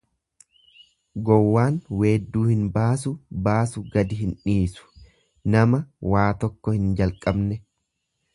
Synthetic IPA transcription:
ɡɔwːaːnweːd̪ːuːhɪnbaːsʊbaːsʊɡɐd̪ɪɦɪnᶑiːsʊ̥ | nɐmɐwaːt̪ɔkːɔhɪnd͡ʒɐlkʼɐbnɛ

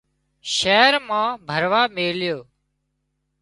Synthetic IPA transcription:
ʃɛːɾmãːbʱəɾʋaːmeːljoː

